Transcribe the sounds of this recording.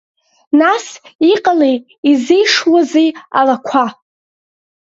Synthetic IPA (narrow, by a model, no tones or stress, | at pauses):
nasiqʼalej | izijʂwazeja̰lakʷʰa